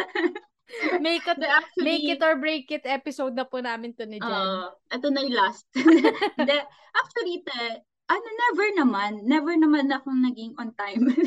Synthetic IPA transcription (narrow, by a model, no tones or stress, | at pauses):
mɛjkːɐt̪d̪ɛat͡ʃmejikɪt̪oɔɹbɹejkɪt̪ʔɛːpɪsowd̪̚nɐpunaːmɪnt̪onɪd͡ʒanʔɛt̪onɐjlast̪̚ | d̪ɛ | ʔak̚t͡ʃuɐlit̪ɛ | ʔɐnonɛvɛɹnɐmanːɛvɛɹnɐmanɐɐkoŋnɐɡɪŋont̪ajm